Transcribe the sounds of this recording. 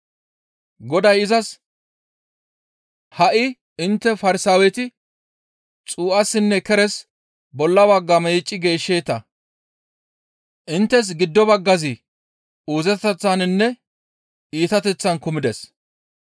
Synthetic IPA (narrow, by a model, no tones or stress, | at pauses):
ɡɔd̪ɐjɪzɐs | hɐʔɪ | ɪnt̪ːɛfɐɾɪsaːwɛt̪ɪ | t͡sʼuːʔɐsːɪnːɛkɛɾɛs | bɔlːɐbɐɡːɐmɛjt͡ʃʼːɪɡe̞ːʃːeːt̪ɐ | ʔɪnt̪ːɛs̬ɡɪd̪ːɔbɐɡːɐzɪ | uːzɛt̪ɛt͡sːanɪnːɛ | iːt̪ɐt̪ɛt͡sːɐnkʊmɪd̪ɛs